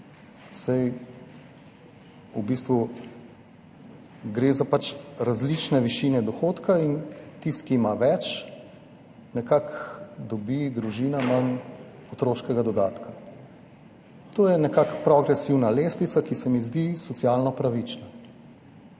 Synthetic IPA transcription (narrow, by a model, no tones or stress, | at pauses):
saj | ubist̪ʋu | ɡɾezapat͡ʃɾazlit͡ʃnɛʋiʃinɛd̪ɔxoːt̪kʰaint̪ist̪kimaʋɛt͡ʃ | nɛkakd̪ɔbid̪ɾuʒiːnamɐn | ɔt̪ɾoːʃkɛɡad̪ɔd̪aːt̪ka | t̪oːjɛnɛkakpɾɔɡɾɛsiwnalest̪it̪sakisɛmizd̪isɔt̪siaːlnɔpɾaʋit͡ʃna